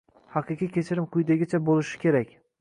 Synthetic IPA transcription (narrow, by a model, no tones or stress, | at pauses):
hɑqɨqijkʲe̞t͡ʃʰɪɾɪmqʰʊjd̪eɡʲɪt͡ʃʰabolˠɪʃɪ̥kʲʰe̞ɾakʲ